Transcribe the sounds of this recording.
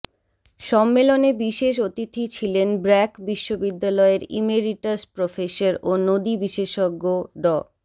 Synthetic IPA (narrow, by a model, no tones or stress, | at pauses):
ʃɔmːelonebiʃeʃ̬ot̪it̪ʰit͡ɕʰilenbɾɛkbiʃːobid̪ːalɔeɾḭmeɾiʈaspɾofeʃaɾonod̪ibiʃeʃoɡːoɖɔ